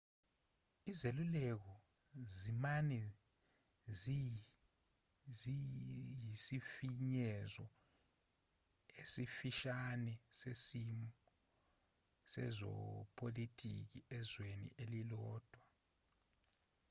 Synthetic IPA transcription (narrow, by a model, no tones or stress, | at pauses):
izelulɛk̬ɔ | zimanɛ | z | zijisifiɲɛzɔ | esifiʃanɛsesimɔ | sɛ̰zɔ̰pʼʰolitʼḭk̬iɛzwenḭʔelilɔːd̥ʱwa